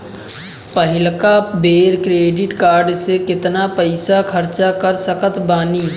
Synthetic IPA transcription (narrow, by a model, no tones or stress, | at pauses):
pəɦɪlkabeːɾkɾeːɖɪʈkaːɾɖsekɪt̪napəɪsakʰəɾt͡ʃakəɾsəkət̪baːniː